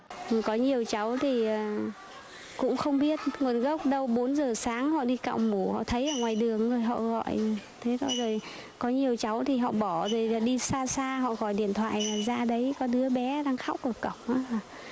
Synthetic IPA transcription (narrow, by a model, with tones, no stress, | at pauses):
kɔ˨˦ɲi˨˩əwt͡ɕa˨˦wt̪ʰi˨˩ʔəː˨˩ | kʊ̰˧˥ŋ͡mxə˧wŋ͡mɓi˦˥ət̚ŋu˨˩ənɣə˦˥wk͡p̚ɗə˧wɓo˨˦nzəː˨˩saː˨˦ŋhɔ̰˧˨ɗi˧ka̰ː˧˨wmu˧˩hɔ̰˧˨t̪ʰə˨˦jʔəː˧˩ŋwaː˨˩jɗɨ˨˩əŋzo˨˩jɦɔ̰˧˨ɣɔ̰˧˨jt̪ʰe˨˦t̪ʰo˧jzo˨˩j | kɔ˨˦ɲi˨˩əwt͡ɕa˨˦wt̪ʰi˨˩ɦɔ̰˧˨ɓɔ˧˩zo˨˩jlaː˨˩ɗi˧saː˧saː˧ɦɔ̰˧˨ɣɔ̰˧˩˨jɗḭ˧˨ənt̪ʰwa̰ː˧˨jlaː˨˩zaː˧ɗə˨˦jkɔ˨˦ɗɨ˨˦əɓɛ˨˦ɗaː˧ŋxa˦˥wk͡p̚ʔə˨˧˩kə̰˧˩˨ŋ͡mʔaː˨˦˨